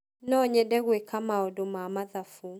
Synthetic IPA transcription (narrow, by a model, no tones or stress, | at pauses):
nɔɲɛdɛɣwekamaɔdomamaðafu